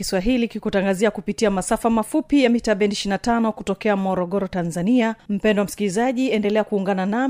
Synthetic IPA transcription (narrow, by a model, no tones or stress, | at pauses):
iswaɦilikikutaŋɡaziakupitiamasafamafupijamitaɓɛntiʃinatanɔkutɔkɛamɔɾɔɠɔɾɔtanzaniam̩pɛndɔwam̩si̥kilizaʄiɛndɛlɛakuːŋɡanana